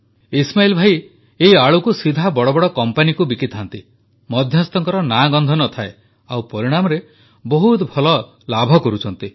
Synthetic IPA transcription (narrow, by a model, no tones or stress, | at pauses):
ismailɔbʱaj | eiaɭukusid̪ʱabɔɽɔbɔɽɔkɔmpanikubikit̪ɦant̪i | mɔd̪ʱjɔst̪ɔŋkɔɾɔnaɡɔnd̪ʱɔnɔt̪ʰae | awpɔɾiɽ̃amɔɾe | bɔɦut̪bʱɔlɔ | labʱɔkɔɾut͡ʃʰɔnt̪i